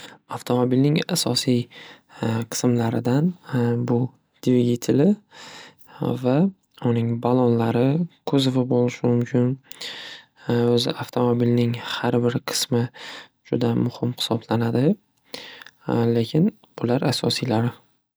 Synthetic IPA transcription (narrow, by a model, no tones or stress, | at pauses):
aft̪ʰo̞mobilnɪŋasɒsij | qʰɨ̥smlaɾɪ̰d̪anbʊ | d̪̥ɪvɪɡʲɪt̪ʰɪlɪ | va | ʊnɪŋbalˠɒnlaɾɪkʰɵzɪvɪbolɪʃɪmʊmkʲʰɪn | ɵzɪ̰ʔaft̪ʰo̞mo̞bilnɪŋhaɾbɪɾqʰɨ̥smɪ | d͡ʒʊd̪amʊhɪmhɪ̥sɒblanad̪ɪ | le̞kʲʰɪn | b̥ʊlaɾasɒ̰sijlaɾɪ